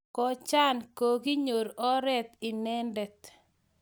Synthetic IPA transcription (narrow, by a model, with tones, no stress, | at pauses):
kɔ˨t͡ʃa˦nko˨ɡi˦ɲo˨ɾɔ˦ɾɛ˦t̪ɪ˨nɛ˦ndɛ˨t̪̚